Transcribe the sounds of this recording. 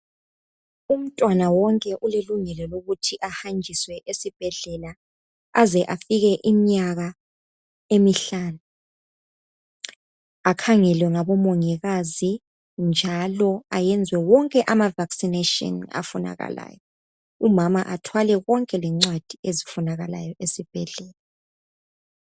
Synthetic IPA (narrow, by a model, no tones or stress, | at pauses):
um̩tʼwanawɔŋkʼɛʔuleluŋɛlɔloɣutʰiʔahand͡ʒʱiswɛʔesib̥ʱɛɮɛla | azɛʔafiɣɛʔimiɲaɣa | emiɬaːnu | akʰaŋɛlwɛŋaβɔmoŋiɣazi | nd͡ʒʱalɔajɛnd͡zʱwɛwɔŋkʼɛʔamavaksinetɔ̰na̰funa̰ɣa̰la̰ːjɔ | umamaʔatʰwalɛɣɔŋkʼɛlɛŋ͡ǀwad̥ʱiezifunaɣala̰jɔʔesib̥ʱɛɮɛːla